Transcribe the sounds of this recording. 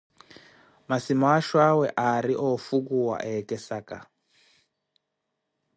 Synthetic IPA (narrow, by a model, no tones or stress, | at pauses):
masimaʃwawɛʔaɾiʔɔfukuwa̰ʔɛkɛsaka̰